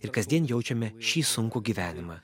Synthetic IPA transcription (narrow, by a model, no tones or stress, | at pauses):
ɪɾkɐzʲd̪ʲiɛnjɛʊt͡ʃʲɛmʲɛʃʲiːsʊŋkuːɡʲiːʋʲæːnʲɪmɑː